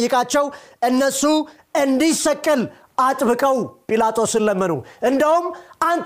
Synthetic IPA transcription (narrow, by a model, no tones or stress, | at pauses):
jːɪkʼat͡ʃːɛwʔɨnːəsu | ɨnd̪isəkʼːɨl | ʔat̪ʼbɨkʼəwpʼilat̪ʰʼo̞sɨlːəmːənṵʔɨnd̪əhumʔant̪